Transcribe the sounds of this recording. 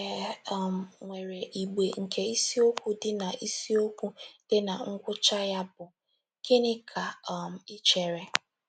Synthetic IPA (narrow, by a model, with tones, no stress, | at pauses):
m̩˨ŋʷe˨ɾe˨ʔi˨ɡ͡be˨ŋ̩˨kʰe˦i˦si˦o˦kʷu˦dɪ˦na˨ʔi˦si˦o˦kʷu˦d̥ɪ˦na˨ŋ̩˦ɡʷʊ˦t͡ʃa˦ja˦bʊ˨ | ke˦nɪ˦kʰa˨m̩˨ɪ˦t͡ʃe˨ɾe˨